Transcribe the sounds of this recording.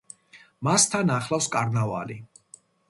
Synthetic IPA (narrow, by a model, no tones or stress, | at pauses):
mast̪ʰanaχlˠafskʼaɾnava̰li